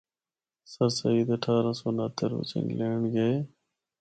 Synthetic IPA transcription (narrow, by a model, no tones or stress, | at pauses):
səɾsəiːd̪əʈʰaːɾãːsoːnaːt̪əɾʊ̰t͡ʃɪ̰̃nleːɳɡəeː